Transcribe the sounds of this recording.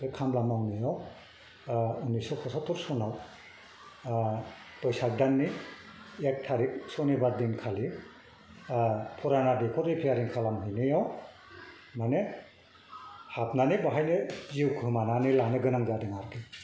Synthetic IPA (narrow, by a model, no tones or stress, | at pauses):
ekʰamlamawnɯjaw | unisɔkʰɔsatʰɔɾsɔnaw | tɔjsak̚danːi | ek̚tʰaɾik̚sɔnibaɾdinkʰali | pʰɔɾanadekʰɔɾipʰijaɾinkʰalamɦɯjnɯjaw | mane | hap̚nanibaɦajnɯziwkʰɯmananilanɯɡɯnaŋzadeŋaɾkʰi